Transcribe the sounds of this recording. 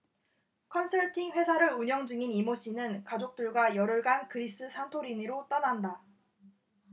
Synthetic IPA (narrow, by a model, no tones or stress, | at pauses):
kʰʌnsʰʌɭtʰiŋɸwe̞sʰaɾɯɾuɲʌŋd͡ʑɯŋinimoɕ͈inɯnkad͡ʑok̚t͈ɯɭɡwajʌɾɯɭɡankɯɾis͈ɯsʰantʰoɾiniɾot͈ananda